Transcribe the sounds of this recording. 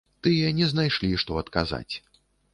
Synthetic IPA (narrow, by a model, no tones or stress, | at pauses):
t̪ɨjɐnʲɛznajʂlʲiʂt̪ɔɐt̪kaza̰t͡sʲ